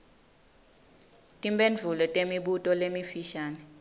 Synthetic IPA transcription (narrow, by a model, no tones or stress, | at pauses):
tʼimbenvʱulɔtʼemiɓutʼɔlemifiʃaːnɛ